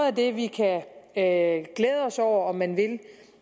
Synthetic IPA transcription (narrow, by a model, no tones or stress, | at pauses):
ð̩ˠæd̥e̝ʋikʰæ | ɡ̥leːð̞ˠəɒ̽sɒʊ̰ɐɒ̽mːænʋe̝l